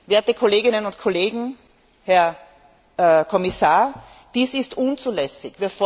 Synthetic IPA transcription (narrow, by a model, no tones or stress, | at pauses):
veːɐtəkʰoleːɡɪnənʊntkʰoleːɡŋ̩ | hɛɐ | kʰɔmɪsaːɐ | d̥iːsɪstʔunt͡suːlɛsɪçviːɐfɔ